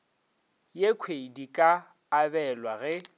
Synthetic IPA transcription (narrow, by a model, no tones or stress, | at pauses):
jekʰwedikʼaː | bɛlwaɣɛ